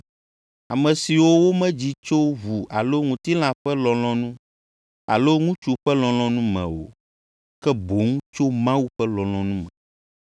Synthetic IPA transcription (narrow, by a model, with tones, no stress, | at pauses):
a˨mɛ̃˨si˨wo˦wo˦mɛ̃˦d͡ʑi˦t͡ʃo˦βu˨ʔa˨lo˦ŋũ˨t̪i˦l̃ã˦ɸɛ˦lɔ̃˨l̃ɔ̃˦nũ˦ | a̰˨lo˦ŋũ˦t͡ʃu˨ɸɛ˦lɔ̃˨lɔ̃˦nũ˦mɛ̰̃˨wo̰˨ | kɛ˦bo˨˦ŋũ˦t͡ʃo˦mã˦wu˦ɸɛ˦lɔ̃˨lɔ̃˨nũ˦mɛ̃˨